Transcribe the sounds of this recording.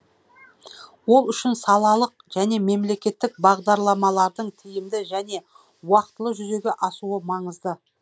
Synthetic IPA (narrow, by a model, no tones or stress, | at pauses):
wo̞lˠʏʃɪnsɑlˠɑlˠəq̚ | ʒ̥æne̞me̞mle̞kʲe̞t̪ːɪk̚bɑʁd̪ɑɾlˠɑmɑlˠɑɾd̪əɴt̪ʰɪjɪmd̪ɪʒæne̞ | wɑqt̪ːəlˠəʒʏze̞ɡʲeʔɑsuəmɑɴəzd̪ə